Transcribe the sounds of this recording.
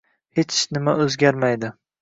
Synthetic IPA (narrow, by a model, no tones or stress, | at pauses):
het͡ʃnɪmaɵzɡʲaɾmajd̪ɪ